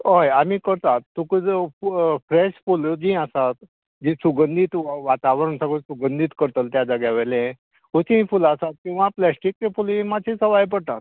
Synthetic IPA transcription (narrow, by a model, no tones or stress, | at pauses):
ɦojamikəɾt̪at̪ːũkəd͡z | fɾɛɕfulod͡ʑĩasat̪ | d͡ʑisuɡənd̪ʱit̪ʋat̪aʋɾəɳsãɡɭosuɡənd̪ʱit̪kəɾt̪əlt̪jad͡zaɡjaʋelẽ | ot̪ʰĩfulasat̪̚kĩw̃ʋaplɛsʈik̚t͡ɕefulĩmat͡ɕʰĩsəʋajp̬əɽt̪at̪̚